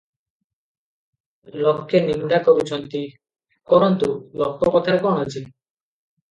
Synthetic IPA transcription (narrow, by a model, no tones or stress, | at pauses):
lokːenimɖakoɾut͡ɕʰɔnt̪i | kɔɾɔnt̪ulokːɔkɔt̪ʰakɔɳɔt͡ɕʰi